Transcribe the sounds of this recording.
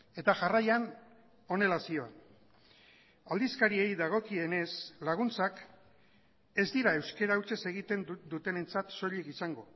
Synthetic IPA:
e̞t̪aʝarajan | o̞ne̞lasio̞an | ald̪iskaɾie̞jðaɣ̞o̞kie̞ne̞slaɣ̞unt͡sak | e̞zd̪iɾae̞wske̞ɾawt͡ʃe̞se̞ɣit̪e̞nd̪ut̪e̞ne̞nt͡sat̪so̞ʎekisaŋɡo̞

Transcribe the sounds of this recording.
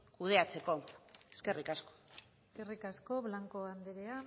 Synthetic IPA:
kuð̞e̞at͡se̞ko̞eske̞rikasko̥eske̞rikasko̞βlaŋko̞and̪eɾea

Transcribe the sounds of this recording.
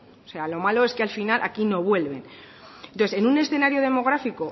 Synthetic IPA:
ose̞alo̞malo̞eske̞alfinalʔa̰kino̞βwe̞lβe̞n | enoθese̞nune̞sθe̞naɾjoð̞e̞mo̞ɣ̞ɾafiko̞

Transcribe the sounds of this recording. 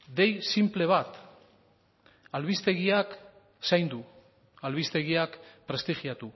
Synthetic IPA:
d̪e̞jsimple̞β̞at̪ | alβist̪e̞ɣiak | sajnd̪u | alβ̞ist̪e̞ɣiakpɾe̞st̪ixiat̪u

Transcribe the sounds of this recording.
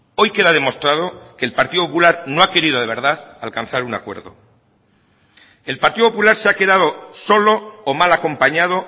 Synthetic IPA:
o̞jke̞ðað̞e̞mo̞st̪ɾað̞o̞ke̞ːlpaɾt̪iðo̞populaɾno̞ake̞ɾiðoðe̞β̞e̞ɾðaðalkanθaɾunakwe̞ɾðo̞̰ | e̞lpaɾt̪iðopopulaɾseake̞ðað̞o̞so̞lo̞ːmalako̞mpaɲað̞o̞

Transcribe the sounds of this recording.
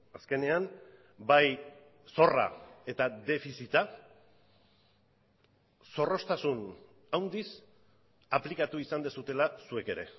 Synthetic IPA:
aske̞ne̞am | baj | so̞ra̰e̞t̪ad̪e̞fisit̪a | so̞ro̞st̪asun | awnd̪is | aplikat̪uisand̪esut̪e̞lasue̞ke̞ɾe̞̰

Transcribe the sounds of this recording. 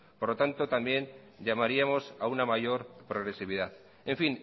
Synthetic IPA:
poɾlo̞t̪ant̪ot̪ambjẽ̞n | ʎamaɾiamo̞saunamaʝo̞ɾpɾo̞ɣ̞ɾe̞siβ̞iðaθ | e̞ɱfin

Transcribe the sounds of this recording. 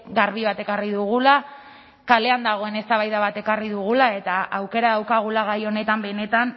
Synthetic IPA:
ɡaɾβiβ̞at̪e̞kariðuɣ̞ula | kale̞and̪aɣ̞o̞e̞ne̞st̪aβajðaβat̪e̞kariðuɣ̞ulae̞t̪aawke̞ɾaðawkaɣ̞ulaɣ̞ajo̞ne̞t̪ambe̞ne̞t̪an

